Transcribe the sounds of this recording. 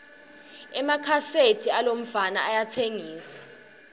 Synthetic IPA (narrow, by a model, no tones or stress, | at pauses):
ɛmakʰasetʰialom̩fana̰ajatʰeŋiːsḁ